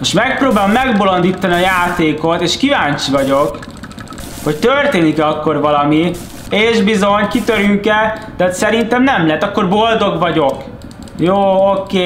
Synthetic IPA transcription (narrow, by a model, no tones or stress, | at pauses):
moʃmɛk̚proːbaːlomːɛɡbolo̞nd̪iːt̪ːɒniɒjaːt̪eːko̞t̪eːʃkivaːɲt͡ʃivɒɟo̞k | hoct̪ørt̪eːnikɛɒkːo̞rvɒlɒmi | eːʒbizo̞ɲkit̪øɾyŋkɛt̪ɛːt̪sɛɾint̪ɛmnɛmlɛɛt̪ːɒkːo̞rbo̞ld̪o̞ɡʋɒɟo̞k | joːokeː